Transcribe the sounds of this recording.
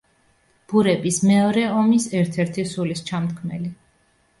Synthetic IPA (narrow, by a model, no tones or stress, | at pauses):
b̥uɾɛbismɛɔɾɛɔmisɛɾt̪ʰɛɾt̪ʰisulist͡ʃʰamt̪̚kʰmɛ̰li